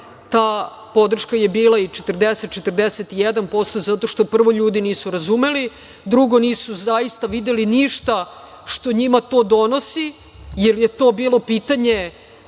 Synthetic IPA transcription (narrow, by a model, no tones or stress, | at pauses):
t̪aː | po̞d̪r̩ʃkaje̞biːlˠait͡ʃet̪r̩d̪eset̪̚t͡ʃe̞t̪r̩d̪eset̪ijed̪anpo̞st̪o̞zat̪o̞ʃt̪o̞pr̩ʋo̞ʎuːd̪iniːsuɾazume̞li | d̪ɾuɡo̞niːsuzajist̪aʋid̪eliniʃt̪a | ʂt̪o̞ɲimat̪o̞ːd̪o̞no̞si | jelje̞t̪o̞ːbiːlo̞piːt̪aɲe